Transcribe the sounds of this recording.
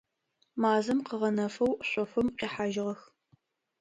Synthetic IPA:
maːzɨmqəʁɐnɐfɐwɕʷʼɔfɨmqiːħaːʒɪʁɐx

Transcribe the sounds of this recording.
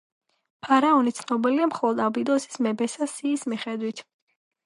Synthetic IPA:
pʰaɾaɔnit̪sʰnɔbiliamχɔlˠɔd̪abid̪ɔsi̥smɛbɛsasiːsmiχɛd̪wit̪ʰ

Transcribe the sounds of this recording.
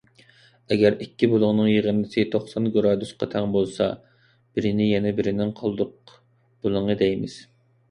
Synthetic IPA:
ɛɡʲɛɾikʲːibolˠʊʁnɨŋjeʁəɾnɪsɪt̪ʰoχsɑnɡoɾɑːd̪ysqʰɑt̪ʰɛŋbolˠsɑ̰ | b̥ɪɾɪnɪjɛnɛbɪɾɪnɪŋqʰɑlˠd̪ʊq̚ | b̥olˠʊɴəd̪ɛjmɪ̰z̥

